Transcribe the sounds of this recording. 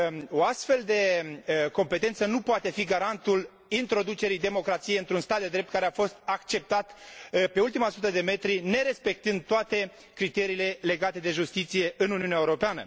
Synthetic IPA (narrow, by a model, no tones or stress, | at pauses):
oast̪fe̞ld̪e̞ko̞mpe̞t̪e̞nt̪sənupoat̪e̞fiɡaɾant̪ul | int̪ɾo̞d̪ut͡ʃe̞ɾijd̪e̞mo̞kɾat̪sijeɨnt̪ɾunst̪at̪̚d̪e̞d̪ɾep̚t̪kaɾeafo̞st̪akt͡ʃe̞p̚t̪at̪pe̞ult̪imasut̪əd̪e̞me̞t̪ɾine̞ɾe̞spe̞k̚t̪ɨnd̪̚t̪oat̪e̞ | kɾit̪e̞ɾiːle̞le̞ɡat̪e̞d̪e̞ʒust̪it̪sije̞ʔɨnuniuneaeuɾo̞peanə̰